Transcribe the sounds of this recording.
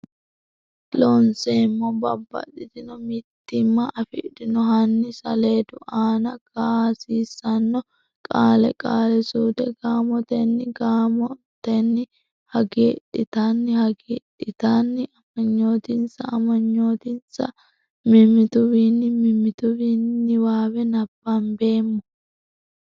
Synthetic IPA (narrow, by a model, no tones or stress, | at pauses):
lɔnsemːɔbɐ̰bːɐ̰tːɪt̪ɪnɔmɪt̪ːɪmːɐʔɐfɪʔd̪ɪnɔhɐnːɪsɐle̞ːd̪ʊʔaːnɐɡ̥aːsiːsːɐnːɔ | kʼaːlɛkʼaːlɛsuːd̪ɛɡaːmɔt̪ɛnːɪɡaːmɔt̪ɛnːɪ | hɐɡeːᶑɪt̪anːɪhɐɡeːᶑɪt̪anːɪɐmɐɲːo̞ːt̪ɪnsɐ̰ːmɐɲːo̞ːt̪ɪnsɐ̰ | mɪmɪt̪ʊβinːɪmɪmːɪt̪ʊbiːnːɪwaːwɛnɐbːɐmbe̞ːmːɔ